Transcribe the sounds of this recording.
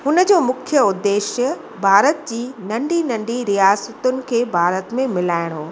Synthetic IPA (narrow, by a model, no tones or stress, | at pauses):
ɦʊnə̆d͡ʑoːmʊkʰjəʊd̪ːeːʃjə | bʱaːɾət̪d͡ʑiːnɐ̃ɳɖinɐ̃ɳɖiɾijaːsət̪ʊnɪ̆kʰeːbʱaːɾət̪mẽmɪlaːɪɽ̃ɦoː